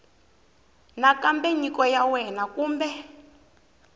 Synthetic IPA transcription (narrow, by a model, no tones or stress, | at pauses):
nakampeɲikɔjawɛnakuːmbɛ